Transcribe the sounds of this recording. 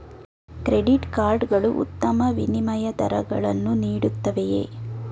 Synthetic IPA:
kɾeɖiʈkaːɾɖɡɐɭuʔṵt̪ːɐmɐʋinimɐjɐd̪ɐ̰ɾɐɡɐɭɐnːuniːɽut̪ːɐʋejḛː

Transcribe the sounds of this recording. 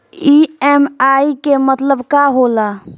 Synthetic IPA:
iɛmaikemət̪ləbkaɦola

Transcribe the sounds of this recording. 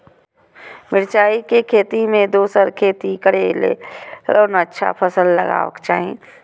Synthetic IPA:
mɪɾt͡ʃaːikekʰeːt̪imẽd̪oːsəɾkʰeːt̪ikəɽelḛɾoːnətːʃʰa̰pʰəsəlːəɡa̰ːʋə̰kt͡ʃa̰ːɦẽ

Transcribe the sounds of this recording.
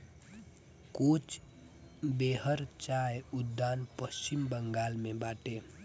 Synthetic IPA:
kut͡ʃ | beːɦəɾt͡ʃaeud̪ːaːnpəst͡ʃimbəŋɡaːlmẽbaːʈe

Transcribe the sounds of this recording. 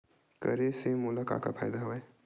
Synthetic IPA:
kə̰ɾesemʊlaka̰ːka̰pʰa̰ːjd̪aɦʋae

